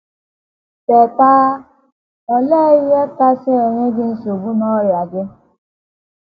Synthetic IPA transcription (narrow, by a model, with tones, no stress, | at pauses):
tɛ˨ta˦ | ɔ˦leː˦je˦ta˦sɪ˦e˨ɲe˦ɡɪ˦n̩˦so˨bu˦nɔ˦ɾɪ˨a˨ɡɪ˦